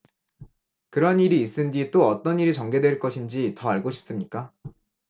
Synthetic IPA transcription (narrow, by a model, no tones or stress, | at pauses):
kɯɾʌniɾiːs͈ɯnd͡ʑit͈oʌt͈ʌniɾit͡ɕʌŋɡe̞dwe̞ɭk͈ʌɕʰind͡ʑitʌaɭɡoɕʰi̥p̚s͈ɯmɲik͈a